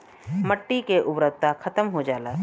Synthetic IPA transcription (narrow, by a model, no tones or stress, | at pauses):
məʈːikeʔʊbɾək̚t̪akʰɐt̪əmɦod͡ʒaːlaː